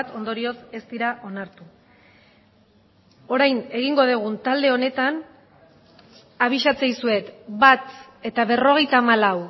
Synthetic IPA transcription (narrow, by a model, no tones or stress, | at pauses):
t̪o̞nd̪o̞ɾio̞se̞st̪iɾaʔo̞naɾt̪u | o̞ɾajne̞ɣ̞iŋɡo̞ð̞eɣ̞unt̪ald̪e̞o̞ne̞t̪an | aβ̞iʃat͡sejsue̞t̪bat̪ | e̞t̪aβ̞e̞ro̞ɣ̞e̞jt̪aːmalaw